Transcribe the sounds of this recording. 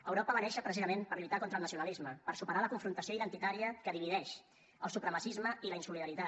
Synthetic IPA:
əwɾɔpəβənɛʃəpɾəsizəmempəɾʎut̪akont̪əlˠnəsiunəlizməpəɾsupəɾaləkuɱfɾunt̪əsioiðənt̪it̪aɾiəkəðiβiðɛʃ | əlˠsupɾəməsizməiləinsuliðəɾit̪a

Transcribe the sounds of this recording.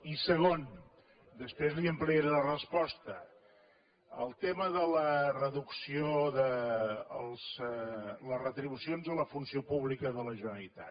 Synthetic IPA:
isəɣ̞on | d̪əspɾezliəmpleɾələrəspɔst̪ə | əlˠt̪eməðələrəðuksioðəəlˠz | lərət̪ɾiβusionzələfunsiopuβlikəðələʒənəlit̪a̰

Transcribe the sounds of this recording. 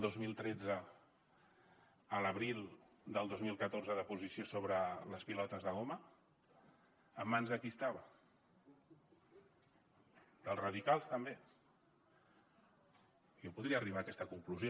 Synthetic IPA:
d̪ozmilˠt̪ɾɛd͡zə | ələβɾilˠ | d̪əlˠd̪ozmilˠkət̪orzəðəpuzisiosoβ̞ɾələspilɔt̪əzðəɣomə | mːanzəkist̪aβə | d̪̥əlˠzrəðikalˠst̪əmbe | jopuðɾiəːriβaːkɛst̪əkuŋkluzjo

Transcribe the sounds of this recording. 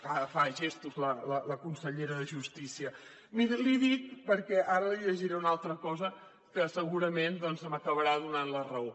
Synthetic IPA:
fafaʒest̪uzlələləkunsəʎeɾəðəʒust̪isiə | miɾəliðik̚pəɾkɛʔaɾəliʎəʒiɾɛunalˠt̪ɾəkɔzə | kəsəɣuɾəmend̪ɔnzəməkəβəɾaðunanlərəo

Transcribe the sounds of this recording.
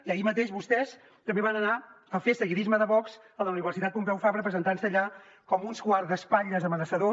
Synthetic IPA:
iəimət̪eʒβust̪ɛs | t̪əmbeβanəna | əfesəɣiɾizməðəβɔkz̥ | ələuniβərsit̪at̪̚pumpɛwfaβɾəpɾəzənt̪ansəːʎa | kɔmunskwaɾðəspaʎəzðəmənəsəðo

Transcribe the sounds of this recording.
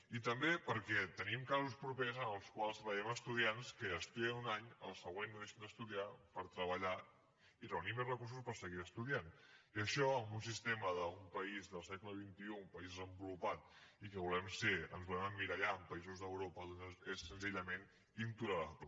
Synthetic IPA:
it̪əmbepəɾkɛt̪ənimkazuspɾupezənəlˠskwalˠst̪ɾβəʎɛməst̪uðianskəːst̪eunaɲəlˠsəɣwenuðeʃənd̪əst̪uðiapəɾt̪ɾəβəʎa | irəunimezrəkursuspəɾsəɣiɾəst̪uðianiəʃɔəmbuns̬ist̪eməðəumpəizðəlˠsɛkləβ̞int̪iuːmpəizrəmbulupat̪̚ikəβulɛmseə̰nzβulɛməmːiɾaʎaəmpəizuzðəwɾopəðonesːənziʎəmen | int̪uɾəɾa̰p̪

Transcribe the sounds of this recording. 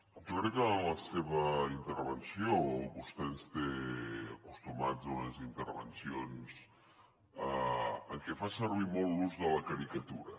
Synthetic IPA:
d͡ʒokɾɛkːələseβəint̪əɾβənsioβust̪eənst̪eəkust̪umad͡zunəzint̪əɾβə̰nsions | əəŋkɛfasəɾβ̞imɔlˠːuzðələkəɾikət̪uɾə

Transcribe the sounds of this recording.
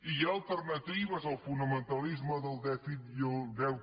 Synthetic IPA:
iaəlˠt̪əɾnət̪iβəzəlˠfunəmənt̪əlizməðəlˠd̪ɛfit̪oðɛw

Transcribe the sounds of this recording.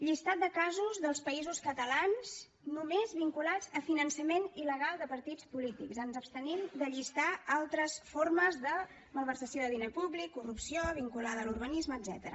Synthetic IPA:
ʎist̪at̪̚d̪əkazuzðəlˠspəizuskət̪əlanz̥ | numezβiŋkulad͡zəfinənsəmeniləɣalˠd̪əpəɾt̪it͡spulit̪ḭkzənzəpst̪ənimd̪əʎist̪aalˠt̪ɾəsforməzðə | məlˠβ̞əɾsəsjoðəðinepublikːurupsioβ̞iŋkulaðəlurβənizməːzɛ̰t̪əɾə̰

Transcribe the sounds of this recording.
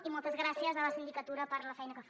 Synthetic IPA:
imɔlˠt̪əzɣɾasiəzələsind̪ikət̪uɾəpəɾləfɛjnəkəf

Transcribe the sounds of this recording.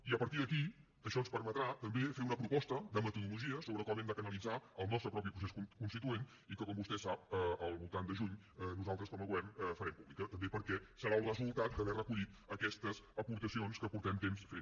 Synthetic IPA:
iəpəɾt̪iðəki | əʃɔənspəɾmət̪ɾat̪əmbefeunəpɾupɔst̪əd̪əmət̪əðuluʒiəsoβɾəkɔmɛmd̪əkənəlˠid͡zaəlˠnɔst̪ɾəpɾɔpipɾus̬esukunst̪it̪uen | ikəkɔmbust̪ɛsap̚əəlˠβulˠt̪and̪əʒuɲ | ənuzalˠt̪ɾəskɔməɣwɛməfəɾɛmpuβlikət̪əmbepəɾkɛsəɾalˠrəzulˠt̪at̪̚dəβɛrəkuʎit̪ | əkɛst̪əzəpuɾt̪əsionskəpuɾt̪ɛmt̪emsfe

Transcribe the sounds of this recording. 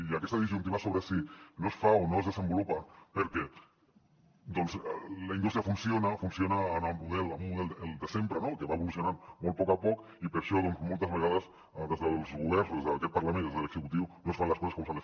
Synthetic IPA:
iakɛst̪əðizʒunt̪iβasoβɾəsinosfaonoezð̞əzəmbulupapəɾkɛ | d̪ɔnzlainust̪ɾiafunsionafunsionaːnammuðɛlamumuðɛləld̪əsempɾənokəβaeβulusjunanmolt̪pɔkapɔk | ipəɾʃɔðɔnzmolˠt̪əzβeɣaðəz | ðezðəlˠzɣuβ̞ɛrnzðezðəkɛt̪̚paɾlamẽnd̪ezðələɡzəkut̪iwnosfanləskɔsskomsalə

